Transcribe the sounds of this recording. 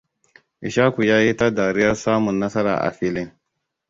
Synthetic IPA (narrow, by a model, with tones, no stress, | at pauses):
ʔɪ˨ʃaː˦ku˨jaː˦ji˦ta˦daː˨ɾɪ˦jɐ˦saː˦mʊ˨nːɐ˦sɐ˦ɾa̰˨ʔa̰˨ɸi˦lɪ˦ŋ